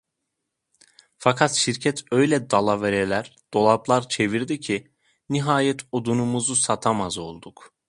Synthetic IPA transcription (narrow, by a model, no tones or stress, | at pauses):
fakʰat̪ʃiɾcʰɛt̪ʰøjlʲɛd̪alˠaveɾelʲæɾd̪̥o̞lˠaplˠaɾt͡ʃʰe̞viɾd̪icʰi | niɦaːjɛt̪ʰod̪unumuzusat̪ʰamazo̞lˠd̪uk